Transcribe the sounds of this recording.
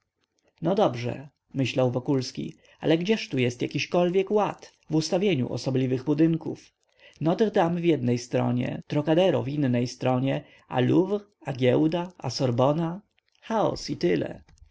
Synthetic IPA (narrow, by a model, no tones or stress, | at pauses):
nɔd̪ɔbʐɛ̰ | mɘɕlawvɔkulskʲḭ | a̰lɛɡd͡ʑɛʂt̪ujɛst̪jakʲiɕkɔlvʲjɛkwat̪ | vust̪avʲjeɲṵʔɔ̰sɔblʲivɘɣbud̪ɘŋkṵf | nɔd̪ʁd̪amvʲjɛd̪nɛjst̪ɾɔ̰ɲɛ̰t̪ɾɔkad̪ɛɾɔvinːɛjst̪ɾɔɲɛ | a̰luv | aɡʲɛwd̪aa̰sɔɾbɔna | xaɔ̰sit̪ɘlɛ̰